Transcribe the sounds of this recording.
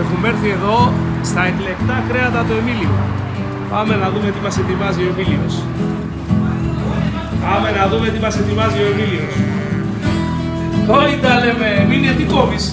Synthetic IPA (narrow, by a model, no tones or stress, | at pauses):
exume̞ɾθie̞ðo̞ | st̪ɐekle̞kt̪ɐkɾe̞ɐnd̪ɐt̪ue̞milio̰ | pɐme̞nɐðume̞t̪imɐset̪ivɐzio̞emilios | pɐme̞nɐðume̞t̪imɐset̪ivɐzio̞emilios | monit̪ɐlememiliet̪ikovis